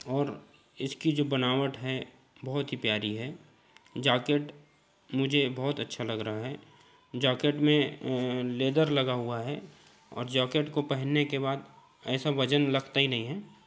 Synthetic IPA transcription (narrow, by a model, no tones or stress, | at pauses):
ɔːɾ | ɪskid͡ʒoːbɐnaːʋəʈɦɛ | bɐɦʊt̪ɦipjaːɾiɦɛː | d͡ʒaːkeːʈ | mʊd͡ʒʱebɔɦʊt̪ɐtːʃʰalɐɡɾɐɦaɦɛː | d͡ʒaːkeːʈmẽ | leːd̪əɾlɐɡaɦuaɦɛ | ɔ̰ːɾd͡ʒaːkeːʈkopɛɦɛnːekebaːd̪ | ɛːsaʋɐd͡ʒənlɐɡt̪aɦinɐɦĩɦɛː